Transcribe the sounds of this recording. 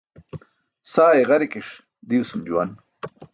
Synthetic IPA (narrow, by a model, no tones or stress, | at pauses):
saːeʁɐɾikiʂ | d̪iwsumd͡ʑuwan